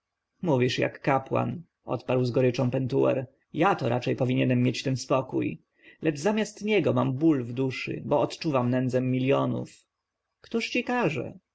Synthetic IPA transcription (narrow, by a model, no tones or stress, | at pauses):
muvʲiʂja̰kːapwa̰n | ʔɔ̰t̪paɾwzɡɔɾɘt͡ʂɔ̃w̃pɛnt̪uwɛ̰ɾ | jat̪ɔɾʔa̰t͡ʂɛjpɔvʲiɲɛnɛmːjet͡ɕt̪ɛnspɔkṵj | lɛd͡ʐzamʲjast̪ɲɛɡɔmambulvd̪uʂɨ̰bɔːt̪t͡ʂuvamnɛnd̪zɛmːʲiljɔnṵf | kt̪uʂt͡ɕikaʐɛ̰